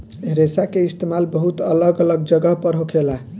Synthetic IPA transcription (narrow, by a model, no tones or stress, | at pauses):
ɦeɾesakeist̪emalbəɦut̪ələɡələɡ̚d͡ʒəɡəɦpəɾɦokʰelaɦ